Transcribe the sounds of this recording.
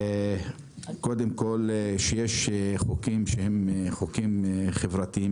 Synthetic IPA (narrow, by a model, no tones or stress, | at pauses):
kod̪emkolʃejeʃχokimʃehemχokimχevʁat̪ii